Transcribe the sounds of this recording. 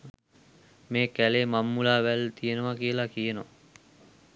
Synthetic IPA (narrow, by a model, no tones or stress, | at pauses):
meːkæleːmamːulaːʋælt̪ʰijenəʋakijəlakijenoʋa